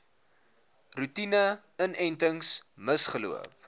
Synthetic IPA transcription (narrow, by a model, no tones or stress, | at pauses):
rutinə | ənɛjntəŋsməsχəlṵə̰p